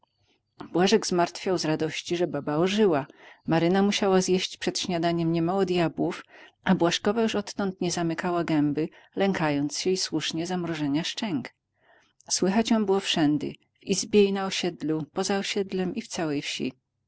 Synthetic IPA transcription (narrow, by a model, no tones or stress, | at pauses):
bwaʐɛɡzmaɾt̪fʲjawzɾad̪ɔɕt͡ɕiʐɛbabaɔʐɘwamaɾɘnamuɕawazjɛɕt͡ɕpʂɛt̪ɕɲad̪aɲɛmɲɛmawɔd̪ʲjabwufʔabwaʂkɔvajuʂɔt̪ːɔnt̪ɲɛzamɘkawaɡɛmbɘ | lɛŋkajɔnt̪sɕɛiswuʂɲɛzamɾɔʐɛɲaʂt͡ʂɛŋk | swɘxat͡ɕjɔ̃w̃bɘwɔfʂɛnd̪ɘ̰ | v̥izbʲjɛinaɔɕɛd̪lupɔzaɔɕɛd̪lɛmift̪sawɛjfɕḭ